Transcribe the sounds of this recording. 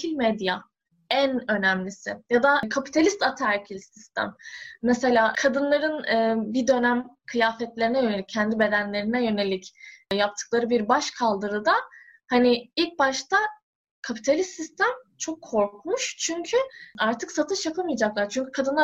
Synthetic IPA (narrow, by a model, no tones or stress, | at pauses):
ilʲmɛd̪ja | ænø̞næmlʲisɪjad̪akʰapi̥t̪ʰalʲist̪at̪ʰaæɾcʰilʲsist̪ʰæ̰mːɛse̞lʲaːkʰad̪ɯnlˠaɾɯnɯːbid̪ø̞næmkʰɯjaːfɛt̪lʲe̞ɾinɛjø̞ne̞lʲic̚ʰːɛnd̪ibe̞d̪ænlʲe̞ɾinɛjø̞ne̞lʲicjap̚t̪ʰɯ̥klˠaɾɯbiɾbaʃkʰalˠd̪ɯɾɯd̪a | haniilʲc̚baʃt̪ʰa | kʰapʰi̥t̪ʰalʲist̪ist̪ʰæmt͡ʃʰokʰːo̞ɾkmuʃt͡ʃʰyɲcʰyaɾt̪ʰɯksat̪ʰɯʃjapʰamɯjad͡ʒaklˠaɾt͡ʃʰyɲcʰykʰad̪ɯnlˠa